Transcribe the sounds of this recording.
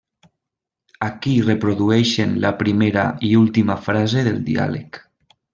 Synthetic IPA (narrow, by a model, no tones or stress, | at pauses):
akirepɾoðuɛʃenlapɾimeɾa̰iulˠt̪imafɾazeðelˠd̪ḭa̰lḛk